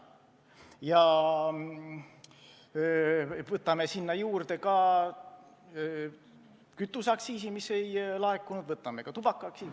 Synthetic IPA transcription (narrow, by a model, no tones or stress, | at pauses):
jɑ | vɤt̪ːˑɑme̞sinːɑjuːrd̪̥e̞kɑ | kyt̪ːˑusɑksiːsimise̞jlɑekːˑunud̪vɤt̪ːˑɑme̞kɑt̪ub̥ɑkːɑksiː